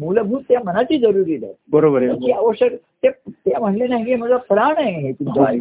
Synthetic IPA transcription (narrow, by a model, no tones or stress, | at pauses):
muləbʱuːt̪ːjamənat͡ɕiːd͡zəɾuɾiːd̪a̰bəɾobəɾet͡ɕiːəʋəɕjək | t̪et̪jam̤əɳlenaɦikem̤əd͡zapɾaɳẽɦet̪umt͡sai